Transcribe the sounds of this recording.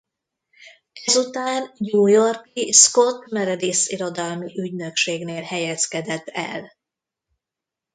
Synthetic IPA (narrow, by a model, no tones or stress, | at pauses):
ɛzut̪aːnjuːjo̞rkisko̞t̪mɛɾɛd̪eːsiɾo̞d̪ɒlmiʔyɟnø̞kʃeːɡneːlhɛjɛskɛd̪ɛt̪ːɛ̰l